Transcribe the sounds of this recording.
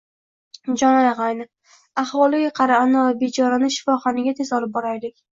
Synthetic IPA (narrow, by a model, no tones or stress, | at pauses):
d͡ʒɒnajʁajnɪ | aχwɒlˠɪɡʲaqʰɑɾanavabed͡ʒɒɾanɪʃɪ̥fɒχɒnɪɡʲat̪ʰe̞zɒlˠɪp̚bɒɾajlɪkʲ